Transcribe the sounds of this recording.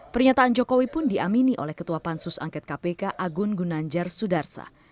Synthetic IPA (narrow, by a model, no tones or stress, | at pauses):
pərɲat̪aːnd͡ʒokowipʊndiʔaminiʔo̰lɛhkət̪uapansʊsa̰ŋkɛt̪̚kapekaʔaɡʊnɡunaɲd͡ʒarsudarsa̰